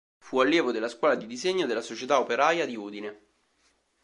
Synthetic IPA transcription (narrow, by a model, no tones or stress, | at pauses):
fualːjɛːvod̪elːaskwɔːlad̪id̪izeɲːod̪elːasot͡ʃet̪aopeɾajad̪iuːd̪ine